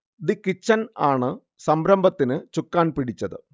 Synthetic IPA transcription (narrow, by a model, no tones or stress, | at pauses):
d̪ikːit͡ɕːɐnaːɳɨ | sɐmbɾɐmbɐt̪ːinɨt͡ɕukːaːnpiɽit͡ɕːɐðɨ̰